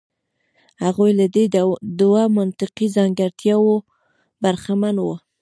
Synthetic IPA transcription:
haɣujlad̪ed̪uwamant̪ɪqizɑŋɡaɾt̪ʰjɑwo | baɾxamanwə

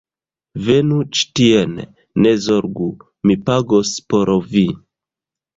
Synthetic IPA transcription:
ve̞nut͡ʃi̥tienː | ezoɾɡu | mipaɡospoɾovi

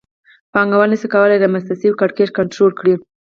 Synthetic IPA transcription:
pɑŋɡawənesekawəlajd̪əmast̪asiwkaɽket͡ʃkaɳʈɾolkɽi

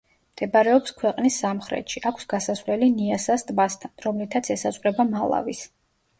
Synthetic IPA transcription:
md̪̥ʰɛbaɾɛɔpskʰwɛqʼnisːamχɾɛ̰t̪ʃiʔakʷʰsɡasasvlɛliniasast̪ʼbast̪ʰanɾɔmlit̪ʰat̪sʰɛsazʼʁɾɛbamalˠa̰vis

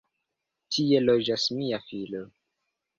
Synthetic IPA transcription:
tʰie̞lod͡ʒasmiafilo

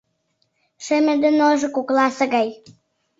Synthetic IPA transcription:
ʃĕmĕd̪ĕnoʒɤ̆kuklɑsɤ̆ɣɑj

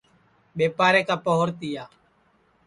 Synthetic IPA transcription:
ɓeːpaːɾeːkaːpoɦʊɾt̪ɪjaː

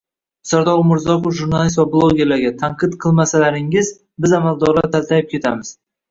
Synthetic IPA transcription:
saɾd̪ɒʁmʊɾzɒqofʒuɾnalˠist̪vablˠoɡʲe̞ɾlaɾɡʲat̪ʰaɴqʰɨt̪qʰɨlˠmasalaɾɪŋɪz | bɪzamalˠd̪ɒɾlaɾt̪ʰalt̪ʰajɪp̚kʲʰe̞t̪ʰa̰mɪz̥

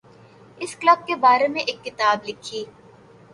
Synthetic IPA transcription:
ɪsklɐb̚kebaːɾemẽʔeːkːɪt̪aːblɪkʰiː

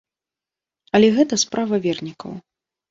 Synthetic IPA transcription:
ɐlʲɛɣɛt̪ɐspɾʔavɐvʲɛrnʲikɐ̰w

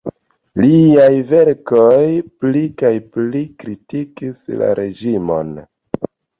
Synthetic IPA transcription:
liajve̞ɾkojplikajplikɾitikisla̰ɾe̞d͡ʒimo̞̰n

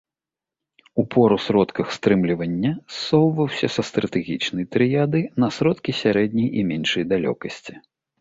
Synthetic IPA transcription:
upʰɔɾusɾɔt̪kɐxst̪ɾɨmlʲivɐnʲːɐsːɔwvɐwsʲɐsɐst̪ɾɐt̪ɛɣʲit͡ʂnɐjt̪ɾɨjad̪ɨnɐsɾɔt̪kʲisʲaɾɛd̪ʲnʲɐjimʲɛnʂɐjd̪alʲɔ̰kɐsʲt͡sʲi

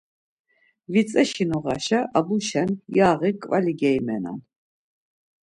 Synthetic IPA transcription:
vit͡sʼɛʃinɔʁa̰ʃaʔabuʃɛnjaːʁikʼvaliɡɛjmɛ̰na̰n

